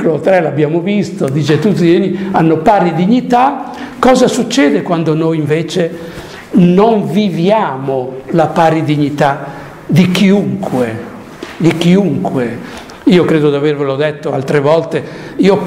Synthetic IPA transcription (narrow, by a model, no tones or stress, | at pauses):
kolot̪ɾɛlabːjaːmovist̪od̪id͡ʒet̪ːud̪zienianːopaːɾid̪iɲːit̪a | kːɔːzasut͡ʃːɛːd̪ekwand̪onojiɱveːt͡ʃe | noɱvivjaːmolapaːɾid̪iɲːit̪a | d̪ikiuŋkwe | d̪ikiuŋkwe | iːokɾɛːd̪od̪avervelod̪ɛt̪ːoa̰lt̪ɾevɔlt̪e | iːo